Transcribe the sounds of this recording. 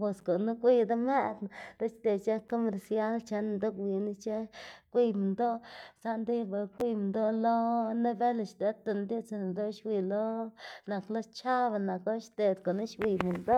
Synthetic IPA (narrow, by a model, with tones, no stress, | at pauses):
pe˨sko˨nu˦kʷi˧d̪a˦me˦˧d̪na˨ɾa˦ʃt̪e˨t͡ʃe˦ko˦me˨ɾsja˦lt͡ʃa˧˦n˧nd̪o˦kwi˧ni˦t͡ʃe˦kʷi˦mi˨nd̪o˦sa˦nd̪i˦ba˨kʷi˦m˧nd̪o˦lo˦ne˦be˦la˨ʃd̪e˨˦t̪a˧˨nd̪i˦t͡sa˧˨n˨d̪o˦ʃwi˧lo˦na˨klo˦t͡ʃa˦βa˧na˨klo˦ʃt̪e˨d̪ko˨ni˦ʃwi˧mi˨nd̪o˦